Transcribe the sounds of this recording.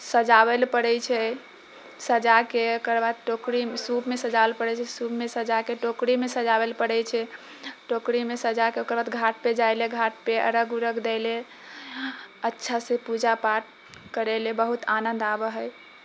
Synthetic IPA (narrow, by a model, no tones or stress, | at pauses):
səd͡ʒaβelpəɽɛjt͡ʃʰɛ | səd͡ʒakeokəɾbad̪̚ʈokɾimsubmesəd͡ʒabelpəɽɛt͡ʃʰɛsubmesəd͡ʒakeʈokɾimesəd͡ʒaβelpəɽɛjt͡ʃʰɛ | ʈokɾimesəd͡ʒakeokəɾbad̪ɡʱaʈ̚ped͡ʒajleɡʱaʈ̚peə̰ɾəɡuɾəkʰd̪ɛɪle | ətːʃʰasepud͡ʒapaʈ | kəɾɛlebəɦut̪anənd̪abəɦəj